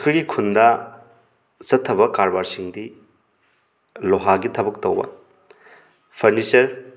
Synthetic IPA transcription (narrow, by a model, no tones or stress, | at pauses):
kʰɯjɡikʰundɐ | sɐtʰːɐbɐkaɾbaɾsiŋdi | loɦaɡitʰɐbɐk̚tɐwbɐ̰ | pʰɐɾnisɐɾ